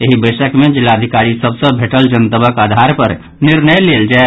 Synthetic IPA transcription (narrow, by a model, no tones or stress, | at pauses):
eɦibəjsəkmed͡ʒilːaəd̪ʱikaɾisəbsə̃bʱeʈəld͡ʒənt̪əbəkad̪ʱaɾpəɾ | niɾnəjleld͡ʒa